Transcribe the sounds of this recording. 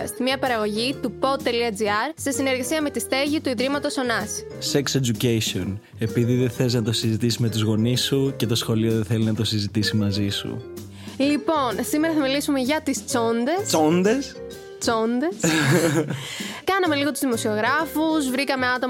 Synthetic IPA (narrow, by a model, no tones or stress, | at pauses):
st̪imiɐpɐɾɐɣo̞ʝit̪upo̞t̪ːeliɐd͡ziɐɾsesine̞ɾɣɐsiɐme̞t̪ist̪eʝit̪uiðɾimɐt̪o̞so̞nɐs | sekse̞d͡ʒucesio̞n | e̞piðiðeθe̞iznɐt̪o̞sizit̪isime̞t̪uzɣo̞nisːuce̞t̪o̞sxo̞lioðeθe̞linɐt̪o̞sizit̪isimɐzisṵ | lipo̞nsimeɾɐθɐmilisumeʝɐt̪ist͡so̞nd̪e̞sond̪e̞s | t͡so̞nd̪e̞s | kɐnɐme̞liɣo̞t̪uzðimo̞sio̞ɣɾɐfuzvɾikɐme̞ɐt̪o̞